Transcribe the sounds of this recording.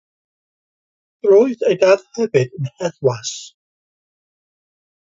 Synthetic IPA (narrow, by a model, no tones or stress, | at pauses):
roːɨðejdaðhɛvɨd̥ənhɛðwas